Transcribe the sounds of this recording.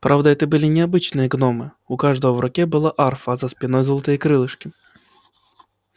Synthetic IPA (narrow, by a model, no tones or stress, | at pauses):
pɾʔavd̪əɛt̪əbɨlʲɪnʲɪabɨt͡ɕnɨjəɡnomɨ | ukaʐd̪əvəvrʊkʲɛbɨlˠaʔarfəzɐspʲɪnɔjzɔlˠt̪ɨjəkɾɨlˠɨʂkʲɪ